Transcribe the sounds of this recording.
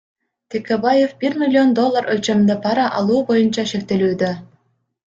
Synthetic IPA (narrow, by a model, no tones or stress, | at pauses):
t̪ʲekʲebɑjefbʲirmʲilʲːiond̪olˠːɑrʔø̆lt͡ɕĕmd̪ɤ̆pɑɾɑʔɑlˠupojɤ̆nt͡ɕɑʃekt̪elʲyd̪ɘ̆